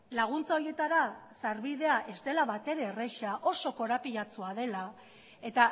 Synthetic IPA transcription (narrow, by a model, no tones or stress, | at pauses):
laɣ̞unt͡sao̞ɾje̞t̪aɾasaɾβið̞e̞aʔe̞zt̪e̞laβat̪e̞ɾe̞re̞ʃaʔo̞so̞ko̞ɾapiʎat͡suaðe̞la | e̞t̪a